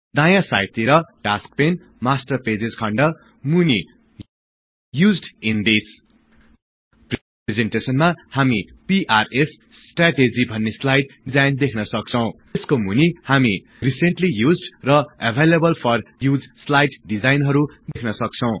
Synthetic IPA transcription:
d̪ãjãsa̰jt̪iɾʌʈask̚pen | masʈʌrped͡zed͡zkʰʌɳɖʌ | muni | jud͡zɖind̪is | p | ezeɳʈesʌnmahamipiʔaresː | ʈraʈed͡zibʱʌnːeslajʈɖid͡zajnd̪ekʰnʌsʌk̚t͡sʰʌw̃ | skomunihami | riseɳʈlijud͡zɖrʌʌbʱelebʌlpʰʌrjud͡zslajʈɖid͡zajnɦʌɾud̪ekʰnʌsʌk̚t͡sʰʌ̃w̃

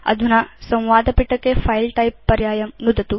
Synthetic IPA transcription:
ɐ̰d̪ʱunɐsɐ̃w̃ʋaːd̪ɐpiʈːɐkːepʰɐjlʈɐjpːɐɾjaːjɐmnud̪ɐt̪u

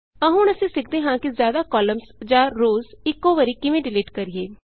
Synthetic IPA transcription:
əɦʊ̃nəsĩːsɪk̚ʰd̪eːɦãːkizjaːd̪aːkɔːləmzd͡ʒãːɾoːzɪkːoːʋəɾikɪʋẽːɖɪliːʈkəɾieː

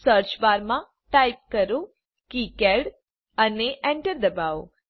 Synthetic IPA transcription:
səɾt͡ʃbaɾmã | ʈajp̚kəɾu | kikɛɽ | əneʔɛ̃ɳʈəɾd̪əbao

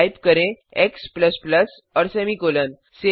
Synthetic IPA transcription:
ipkəɾẽekspləspləs | ɔɾsemiːkolən | se

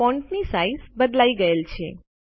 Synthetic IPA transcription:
ɔ̃ɳʈnisaizbəd̪laiɡəelt͡ʃʰḛ

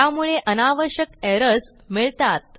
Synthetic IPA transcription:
amuɭeʔənaʋəɾɕjəkeɾəs | miɭt̪at̪̚

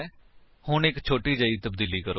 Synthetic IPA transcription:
hʊɳɪkt͡ʃʰoːʈiːd͡ʒəːiːt̪əbd̪iːliːkəɾo

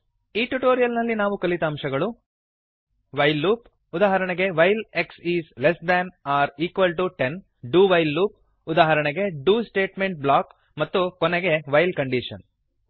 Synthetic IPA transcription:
iːʈuʈoːɾijɐlnɐlːinaːʋukɐlit̪aːmʃɐɡɐɭu | ʋɐjlːuːp | ud̪aːɦɐɾɐɳeɡe̞ʋɐjleksiːslesd̪ænaːɾiːkʋɐlʈuʈen | ɖuːʋɐjlːuːp̚ | ud̪aːɦɐɾɐɳɛɡe̞ɖuːsʈeːʈmeɳʈ̚blaːk | mɐt̪ːukoneɡe̞ʋɐjlkɐɳɖiːʂɐ̰n

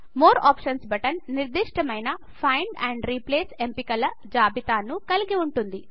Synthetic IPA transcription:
moːɾa̰ːpʂɐnsbɐʈɐnːiɾd̪iʂʈʰɐmɐjnɐ | pʰɐjɳɖɛːɳɖɾipleːsempikɐlɐ | d͡ʒaːbit̪aːnukɐliɡiuɳʈund̪i

